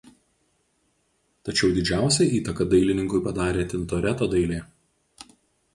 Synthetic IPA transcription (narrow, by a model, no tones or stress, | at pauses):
t̪ɐt͡ʃʲɛʊd̪ʲɪd͡ʒʲæˑʊsʲɛiːt̪ɐkɐd̪ɐɪlʲɪnʲɪŋkʊɪpɐd̪ɑːɾʲeːt̪ʲɪnt̪oːɾʲɛt̪oːd̪ɐɪlʲeː